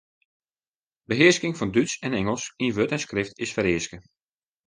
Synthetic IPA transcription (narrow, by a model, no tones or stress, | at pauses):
bəɦɪəskɪŋfɑndytsɛnɛŋəlˠsinʋøtɛnskrɪftɪsfəɾɪəskə